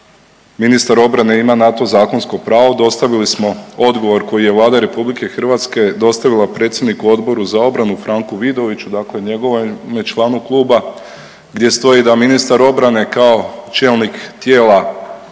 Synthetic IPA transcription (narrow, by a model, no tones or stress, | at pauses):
minist̪aɾo̞bɾane̞imanat̪o̞zaːko̞nsko̞pɾaːʋod̪o̞st̪aʋilismo̞o̞d̪ɡo̞ʋo̞ɾko̞jije̞ʋlˠaːd̪aɾe̞publike̞xr̩ʋat̪ske̞d̪o̞st̪aʋilˠapɾe̞t̪sjed̪nikuo̞d̪bo̞ɾuzao̞bɾanufɾaŋkuʋid̪o̞ʋit͡ɕud̪akle̞ɲe̞ɡo̞ʋmet͡ʃlˠaːnuklˠuːba | ɡd̪je̞st̪o̞jid̪aminist̪aɾo̞bɾane̞kao̞t͡ʃe̞ːlˠnikt̪je̞ːlˠa